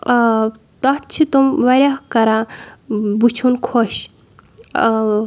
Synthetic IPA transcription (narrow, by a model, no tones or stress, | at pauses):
t̪ɔt̪t͡ʃʰit̪umʋɐɾʲakɐɾa | but͡ʃʰunkʰoʃ